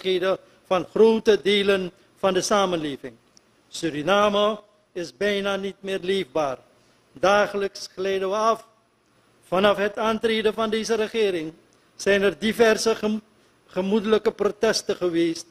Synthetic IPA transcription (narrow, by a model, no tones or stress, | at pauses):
χeːdə | fɑnχroːwtədeːlən | fɑndəsaːmənleːvɪŋ | syɾinaːmo | ɪsbɛjnaːnitmɪːrleːvbaːr | daːχələksχlɛjdəʋəɑfː | ɑnɑfɦətaːntreːdəvɑndeːzəɾəχɪːɾɪŋ | sɛjnɛrdivɛrsə | χəmudələkəprotɛstəχəʋeːst